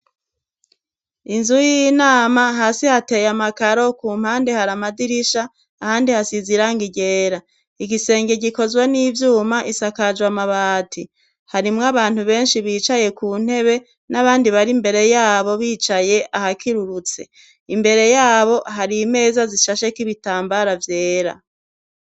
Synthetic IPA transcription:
inzujinaːmaɦaːsihate̞jamakaɾo̞kuːm̥haːnde̞haɾamadiɾiʃaː | haːndihasiziɾaŋɡiɟe̞ːɾa | iɡise̞ːŋɡeɟiko̞zɡwaniːvjuːmaʔisakad͡ʒwamaβaːtʰi | haɾimŋaβaːn̥huβe̞ːnʃiβiːt͡ʃaje̞kuːn̥he̞βe̞ | naβaːndiβaɾimbe̞ɾe̞jaːβo̞βiːt͡ʃaje̞ʔahakʰiɾuɾut͡se̞ | imbe̞ɾe̞jaːβo̞haɾime̞ːzaziʃaʃe̞kiβitaːmbaɾavje̞ːɾa̰

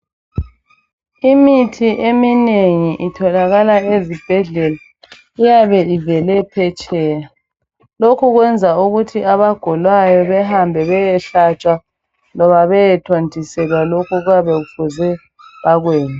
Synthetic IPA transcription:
imitʰiʔemineŋiʔitʰɔlaɣalaezib̥ʱɛɮɛla | ijaβɛivɛlɛpʰɛt͡ʃʼɛːja | lokʰuɣwɛnd͡zʱauɣutʰiaβaɡ̥ʱɔlwajɔβɛɦambʱɛβɛjɛɬat͡ʃʼwa | lɔβaβɛjɛtʰontʰʼisɛlwalokʰɔɣujaβɛɣufuzɛ | βaɣweːna

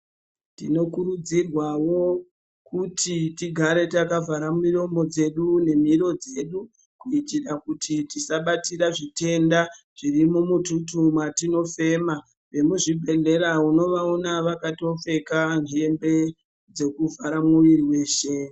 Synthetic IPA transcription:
tino̞kuɾud͡zirwawo̞ | kutʰitiɡʱaɾe̞takavaɾamiro̞mo̞d͡ze̞ɗune̞miɾo̞d͡ze̞ɗu | kuitirakutʰitisaɓatiɾaʐite̞nda | ʐ̥irimumututumwatino̞fe̞ːma | ʋe̞muʐibʱe̞ɮe̞ɾauno̞ʋaonaʋakato̞fe̞kaniembe̞ | d͡ze̞kuvʱaɾamuʋiriwe̞ːʃe̞

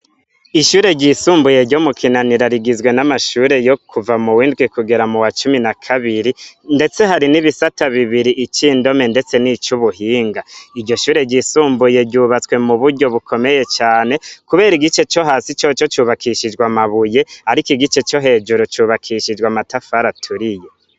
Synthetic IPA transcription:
iʃuːɾe̞ɟisuːmbuje̞ɾɟomukʰinaniɾaɾiɡizwe̞namaʃuːɾe̞jo̞kʰuvamuwiːndɡwikuɡe̞ɾamuwat͡ʃuminakʰaβiɾinde̞t͡seɦaɾiniβisataβiβiɾiʔːt͡ʃiːndo̞me̞nde̞t͡se̞nit͡ʃuβuhiːŋɡaiɾɟo̞ʃuːɾe̞ɟisuːmbuje̞ɟuːβat͡swe̞muβuɾɟo̞βukʰo̞me̞je̞t͡ʃaːne̞kuβe̞ːɾiɡit͡ʃe̞t͡ʃo̞ɦaːsit͡ʃot͡ʃo̞t͡ʃuːβakʰiʃid͡ʒɡwamaβuje̞aɾikiɡit͡ʃe̞t͡ʃo̞ɦe̞ːd͡ʒuɾot͡ʃuβakʰiʃid͡ʒɡwamatafaɾatʰuɾije̞

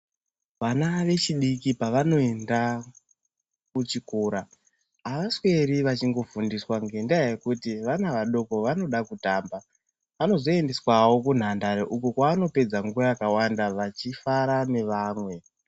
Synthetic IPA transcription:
ʋanaʋe̞t͡ʃiɗikipaʋano̞e̞nda | kut͡ʃikuːɾaː | ʋaswe̞ɾiʋat͡ʃiŋɡo̞fundiswaŋɡe̞ndaaje̞kutiʋanaʋaɗo̞ko̞ʋano̞ɗakutaːmba | ʋano̞zo̞e̞nde̞swawo̞k̬un̤andaɾeʔukukwaːno̞pe̞d͡zaŋɡurajakawandaʋat͡ʃifaɾaneʋaːmwe̞

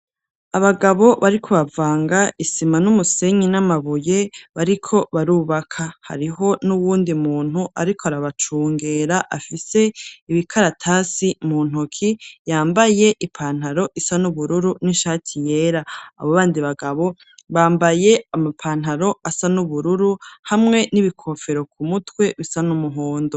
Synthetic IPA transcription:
aβaɡaβo̞βaɾikʰo̞βavaːŋɡaʔisimanumuse̞ɲinamaβuje̞βaɾikʰo̞βaɾuβakʰaha̰ɾiɦo̞nuβuːndimuːn̥huʔa̰ɾikʰoaɾaβat͡ʃuːŋɡeɾaʔafise̞iβikʰaɾatʰaːsimuːn̥hukʰijaːmbaje̞ʔipʰaːn̥haɾo̞ʔisanuβuɾuɾuniʃaːtʰije̞ːɾa̰ːβoβaːndiβaɡaβo̞ | βaːmbaje̞amapʰaːn̥aɾo̞asanuβuɾuɾuhamŋe̞niβikʰo̞fe̞ɾo̞k̚ʰumutwe̞βisanumuɦoːndo

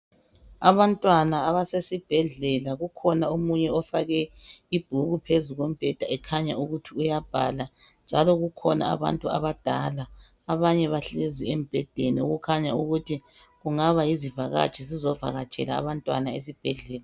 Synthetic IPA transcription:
a̰βantʼwanaːβasesib̥ʱɛɮɛlaɣukʰɔnaomuɲɛɔfaɣɛib̥ʱuɣupʰezuɣom̩b̥ʱɛd̥ʱaɛkʰaɲa̰uɣutʰiujab̥ʱa̰la | nd͡ʒʱalɔɣukʰɔna̰a̰βa̰ntʼua̰βad̥ʱalaː | βaɲɛβaɬeziem̩b̥ʱɛd̥ʱeniṵɣukʰaɲauɣutʰi | ɣuŋaβajizivaɣa̰t͡ʃʼɛzizɔva̰ɣat͡ʃʼɛ̰la̰a̰βantʼwa̰naes̬ib̥ʱɛɮɛːla

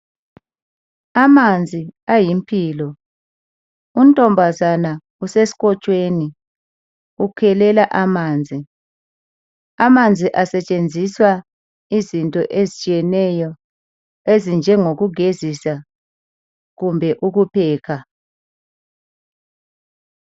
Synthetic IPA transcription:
amand͡zʱiajimpʰʼiːlɔ | umtʼɔmbʱazana | usesi̥ɣɔt͡ʃʼweːni | ukʰɛlɛlaʔamaːnd͡zʱi | amand͡zʱiʔasɛt͡ʃʼend͡zʱiswa | izintʼɔʔezit͡ʃʼiɛnɛjɔ | ezind͡ʒʱɛŋoɣuɡʱezisa | ɣumbʱɛʔuɣupʰɛːkʰa

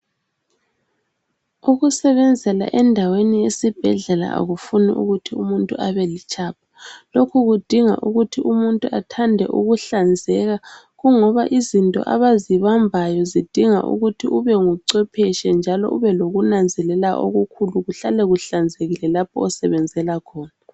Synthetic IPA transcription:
uɣusɛβɛnd͡zʱɛla̰ʔɛndʱawenijesib̥ʱɛɮɛla̰a̰ɣufunḭʔṵɣutʰiumuntʼṵʔaβɛlit͡ʃʼaːp̚ʰḁlokʰuɣud̥ʱiŋa̰ʔuɣutʰiʔumuntʼuʔatʰandʱɛ̰ʔṵɣuɬand͡zʱɛɣa | ɣuŋɔβaʔizintʼɔ̰ʔa̰βaziβambʱajɔzid̥ʱiŋa̰ʔṵɣutʰiʔuβɛŋuǀɛpʰɛʃɛnd͡ʒʱalɔ̰ʔuβɛloɣunand͡zʱɛlɛlaʔo̰ɣukʰuluɣuɬalɛɣuɬand͡zʱeɣilɛlapʰɔɔsɛβɛnd͡zʱɛlakʰɔːna

